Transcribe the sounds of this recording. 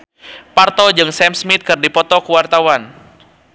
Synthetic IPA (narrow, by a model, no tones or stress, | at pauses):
part̪ɔd͡ʒɨŋsɛmsmit̪̚kɨrdipɔt̪ɔkuwart̪awan